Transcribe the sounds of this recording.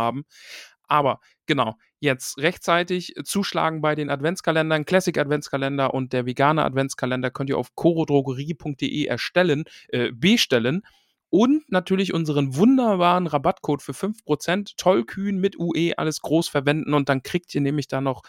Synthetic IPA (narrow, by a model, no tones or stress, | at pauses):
aːbm̩ʔaːbɐ | ɡ̥ənaʊ | jɛt͡stʁɛçtt͡saɪtɪçt͡suːʃla̰ːɡŋ̩baɪdeːnatv̥ɛnt͡skʰalɛndɐnkʰl̥ɛsɪkatv̥ɛnt͡skʰalɛndɐʔʊnt̚d̥eːɐveːɡaːnəʔa̰tv̥ɛnt͡skʰalɛndɐkʰœntiːɐʔa̰ʊfkʰoʁodʁoɡəʁiːpʰʊŋkt̚d̥eːʔeːʔɛ̰ɐʃtɛlənʔɛːbeːʃtɛlən | ʔʊntnatʰyːɐlɪçʔʊnzəʁ̞ənvʊndɐbaːʁənʁabatkʰoːtfyːɐfʏnfpʁ̥ot͡sɛntʰːɔlkʰyːnmɪtʔuːʔeːʔa̰ləsɡ̥ʁoːsfɛɐvɛndn̩ʊnt̚d̥ankʁ̥iːk̚tiːɐnɛːmlɪçd̥aːnɔχ